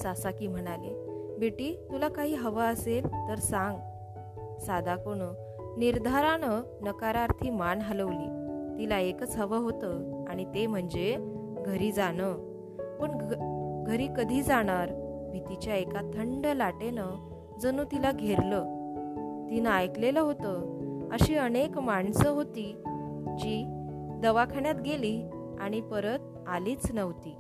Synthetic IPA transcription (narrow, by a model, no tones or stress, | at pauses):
sasakiːm̤əɽ̃alebeʈiːt̪ulakaɦiːɦəʋaəselt̪əɾsãŋɡ | sad̪ʱakoɽ̃ə | niɾd̪ʱaɾanə | nəkaɾaɾt̪ʰiːmanɦaləʋliːt̪ilaekət͡sɦəʋəɦot̪əaɽ̃it̪em̤əɳd͡ze | ɡʱəɾiːd͡zaɽ̃ə | pəɳɡʱəɾiːkəd̪ʱiːd͡zaɽ̃aɾbʱit̪it͡ɕjaekat̪ʰəɳɖəlaʈenə | d͡zənũt̪ilaɡʱeɾlə | t̪inəajkleləɦot̪əəɕiːənekmaɳsəɦot̪id͡ʑiː | d̪əʋakʰaɳjat̪ɡeliː | aɽ̃ipəɾət̪̚ | aliːt͡snəʋt̪iː